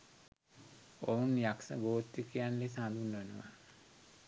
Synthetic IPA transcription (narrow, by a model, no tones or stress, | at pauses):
ounjaksə̰ɡoːt̪jukijanlesãnd̪unːʋenəʋa̰